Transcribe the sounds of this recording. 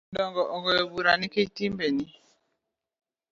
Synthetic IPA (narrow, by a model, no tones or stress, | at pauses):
dɔŋɡɔʔɔɣɔjɔbuɾanikeitimbeni